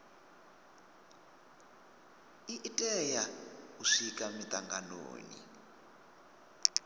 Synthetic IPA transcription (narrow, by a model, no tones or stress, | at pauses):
iʔitʼɛjauʂikʼamitʼaŋɡano̰ːnḭ